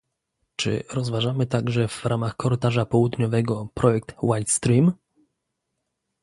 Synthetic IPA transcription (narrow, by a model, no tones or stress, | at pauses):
t͡ʂɘ̰ɾɔzvaʐamɘt̪aɡʐɛv̥ɾamaxkɔɾɘt̪aʐapɔwud̪ɲɔvɛɡɔpɾɔjɛkt̪wajt̪st̪ɾim